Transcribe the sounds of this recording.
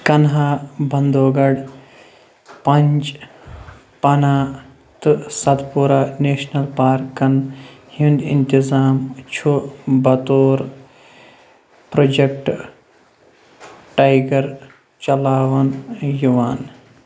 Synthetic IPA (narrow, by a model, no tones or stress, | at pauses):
kɐnɦaːbɐnd̪oːɡɐɖ | pɐnt͡ʃ | pɐnaː | t̪ɨsɐt̪puɾaːneːʃnɐlpaːɾkːɐnhĩnd̪ḭnt̪izaːmt͡ʃʰubɐt̪oːɾ | pɾoːd͡ʒek̚ʈ | ʈaːjɡɐɾ | t͡ʃɐlaːʋɐnjuʋaːn